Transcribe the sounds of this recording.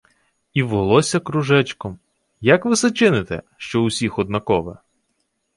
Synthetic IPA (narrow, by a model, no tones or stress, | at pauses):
iʋɔlˠɔsʲɐkɾʊʒɛt͡ʃkɔm | jɐkʋɪsɐt͡ʃɪnɪt̪ɛ̰ | ʃt͡ʃɔʊsʲixɔd̪̚nɐkɔʋɛ̰